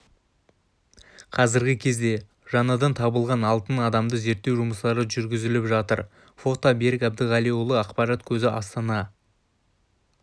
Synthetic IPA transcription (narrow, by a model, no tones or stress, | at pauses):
qʰɑzɪɾɡʲɪkʲʰe̞zd̪e̞ | ʒ̥ɑnɑd̪ɑnt̪ʰɑbəlˠʁɑnɑlˠt̪ənɑd̪ɑmd̪əze̞ɾt̪ːewʒʊməslˠɑɾəʒʏɾɡʲɪzɪlɪpʒɑt̪ə̰ɾ | fo̞t̪abeɾɪkʲæbd̪ɪʁɑlijulˠəɑqpɑɾɑt̪kʲʰɵzɪʔɑst̪ɑnɑ